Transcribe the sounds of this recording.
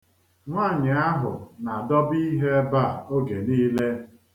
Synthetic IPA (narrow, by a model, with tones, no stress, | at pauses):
ŋʷaː˦˨ɲɪ˨a˦ɦʊ̰˨na˨dɔ˦bi˦ɦe˦ba˦˨o˦ɡe˨niː˦le˦